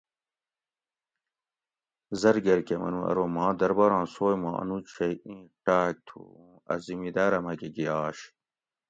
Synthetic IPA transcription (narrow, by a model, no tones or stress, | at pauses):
zɐɾɡeɾkemɐ̰nũɐ̰ɾomãːd̪ɐɾbɐɾãːsoːjmãːʔɐ̰nut͡ɕʰeĩːʈaːk̚t̪ʰṵ | ɐ̰zimid̪aɾɐmɐɡeɡijaːɕ